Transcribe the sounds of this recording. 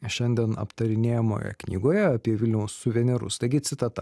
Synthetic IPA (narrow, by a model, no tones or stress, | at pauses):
ʃʲɛnʲd̪ʲɛnɐ̰pt̪ɐɾʲɪnʲeːjɛmo̰ːjɛ̰knʲiːɡoːjɛɐpʲiɛʋʲɪlʲnʲɛʊsːʊʋʲɛnʲɛɾʊ̰st̪ɐɪɡʲɪt̪sʲɪt̪ɐt̪ɐ